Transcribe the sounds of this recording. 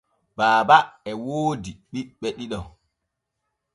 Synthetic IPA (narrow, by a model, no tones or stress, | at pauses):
baːbaɛwoːdiɓiɓɛɗiɗɔ